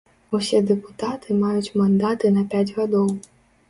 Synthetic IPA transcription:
usʲɛd̪ɛpu̥t̪at̪ɨmajut͡sʲmand̪at̪ɨnɐpʲad͡zʲɣad̪ɔw

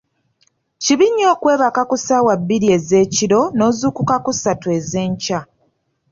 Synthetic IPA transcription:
ciβiɲːo̞ːkwe̞ːβakakusaːwabːiɾie̞ze̞ːciɾo̞no̞ːzuːkukakusatueze̞ːɲca

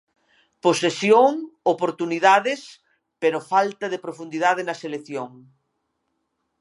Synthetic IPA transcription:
posesjoŋopoɾt̪uniðaðɪs | peɾofalt̪ɐðepɾofund̪iðaðenɐselekθjoŋ

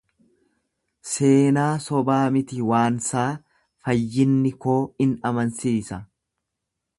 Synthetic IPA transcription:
se̞ːnaːsɔbaːmɪt̪ɪwaːnsaː | fɐjːɪnːɪko̞ːɪnɐmɐnsiːsɐ

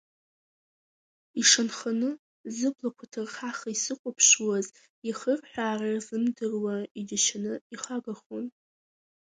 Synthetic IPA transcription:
iʂanχanɨ | zɨblakʷʰatʰɨrχaχaisɨqʷʼapʰʃuwaz | iχərħʷᶣaːrarzɨmdɨrwaid͡ʒaʃanɨiχaɡaχon

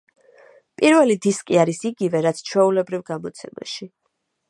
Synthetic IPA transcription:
pʼiɾvɛlid̪iskʼiaɾisiɡivɛɾat̪sʰt͡ʃʰwɛulɛbɾivɡamɔt̪sʰɛma̰ʃi

